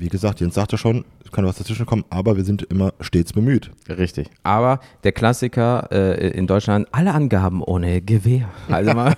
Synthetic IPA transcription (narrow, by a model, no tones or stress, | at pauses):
viːɡəzaːk̚tjeːntz̥aːktaʃoːnskʰanasd̥at͡svɪʃn̩kʰɔmənʔaːbɐviːɐzɪntʔɪmɐʃteːt͡sb̥əmyːtʁɪçtɪçʔaːbɐd̥eːɐkl̥asɪkʰɐʔɛ̰ːʔɪ̰ndɔʏt͡ʃlantʔaləʔanɡaːbm̩ʔoːnəɡəveːɐha̰lzəma